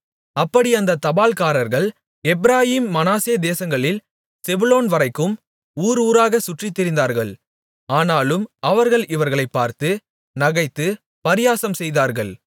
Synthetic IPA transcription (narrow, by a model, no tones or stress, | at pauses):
ɐpːɐɽiɐnd̪ɐt̪ɐbaːlkaːɾɐɾɣɐɭ | ɛbɪɾaːjiːmːɐnaːseːd̪eːsɐŋɡɐɭɪl | sɛbʊloːnʋɐɾɐɪkːɯm | uːɾuːɾaːɣɐsʊʈrɪt̪ːɪɾɪnd̪aːɾɣɐɭ | aːnaːlɯmɐʋɐɾɣɐɭɪʋɐɾɣɐɭɐɪpːaːɾt̪ɯ | nɐɣɐɪt̪ːɯ | pɐɾɪjaːsɐmsɛjðaːɾɣɐɭ